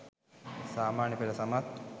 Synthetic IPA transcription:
saːmaːnjɐpelɐsamat̪

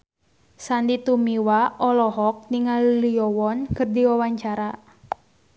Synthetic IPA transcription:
sandit̪umiwaɔlɔɦɔk̚niŋalliɔwɔnkɨrdiwawaɲt͡ʃaɾa

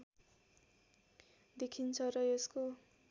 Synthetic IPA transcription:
d̪ekʰint͡sʰʌrʌesko

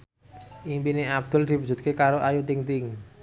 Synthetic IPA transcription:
ʔimpineab̚d̪̥ʊ̤ld̪̥i̤pu̥d͡ʒ̥ṳt̪̚kekaɾoʔajut̪ɪŋt̪ɪŋ

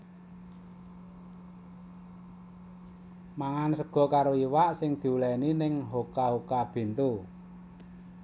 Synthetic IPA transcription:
maŋansəɡ̥ɔ̤kaɾoiwaʔsɪŋd̪̥i̤ulɛninɪŋɦokaɦokab̥e̤nt̪u

